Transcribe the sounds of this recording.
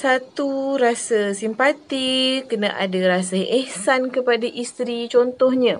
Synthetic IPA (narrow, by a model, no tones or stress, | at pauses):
sat̪uɾasəsimpat̪ikənãʔa̰daɾasəɛhsankəpadaʔist̪ɾit͡ʃɔnt̪ɔhɲã